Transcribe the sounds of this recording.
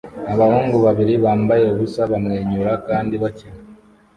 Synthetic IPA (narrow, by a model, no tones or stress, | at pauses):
aβahuːŋɡuβaβiɾiβaːmbaje̞uβusaβamŋeːɲuɾakaːndiβacina